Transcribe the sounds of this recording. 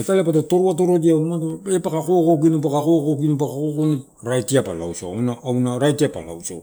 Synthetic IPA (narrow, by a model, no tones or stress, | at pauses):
etaleapatato̞ɾuato̞ɾodiamatepakakokokinip̬akakokokinip̬akakokoni | ɾajtiapa̰la̰wso̰a̰wnaːwnaɾajtiapa̰la̰wso̰